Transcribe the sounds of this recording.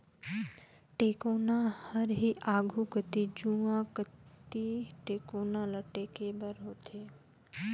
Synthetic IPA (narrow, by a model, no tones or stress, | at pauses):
ʈeːkoːnãhəɾɦiːʔaːɡʱukət̪id͡ʒũãkət̪iʈeːkoːnãləʈeːkebəɾɦoːt̪ʰeː